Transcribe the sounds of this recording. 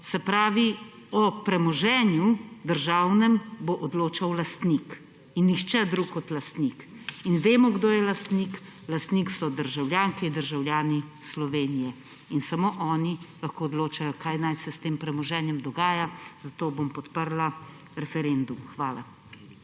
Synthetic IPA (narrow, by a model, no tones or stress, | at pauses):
sɛpɾaːʋi | ɔpɾɛmɔʒɛːnjud̪əɾʒaːwnɛmboʔɔd̪loːt͡ʃawlast̪nik | inːixt͡ʃɛd̪ɾukɔt̪last̪nik | inʋeːmɔɡd̪oːjɛlast̪nik | last̪niksɔd̪əɾʒawljaːŋkɛid̪əɾʒawlʲjaːnislɔʋeːnijɛ | insamoːʔɔːnilaxkoːd̪loːt͡ʃajɔkajnajsɛst̪eːmpɾɛmɔʒɛːnjɛmd̪ɔɡaːjaz̥at̪oːbompɔt̪pəɾla | ɾɛfɛɾeːnd̪umxʋaːla